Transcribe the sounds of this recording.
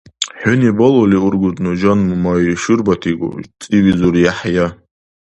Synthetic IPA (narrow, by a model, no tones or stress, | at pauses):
ħonibololiurɡʷʊtʼnɨd͡ʒanmumajʃɨrbatʰiɡo̰t͡sʼiwizuɾjaħja